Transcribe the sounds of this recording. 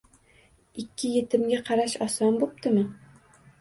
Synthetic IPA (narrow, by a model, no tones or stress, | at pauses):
ikʲːɪjɘ̆t̪ɘ̆mɡʲæqɑɾaɕɒsɒnbup̚t̪ɘmɘ